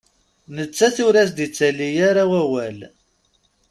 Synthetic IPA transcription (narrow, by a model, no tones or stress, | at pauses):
nət͡sːæθʊɾæsd̪it͡sːælːijaɾawæwæl